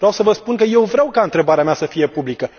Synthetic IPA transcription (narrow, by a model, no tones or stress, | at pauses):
vɾeawsəvəspunkəje̞wvɾʲeawkaɨnt̪ɾe̞baɾeamʲasəfije̞publikə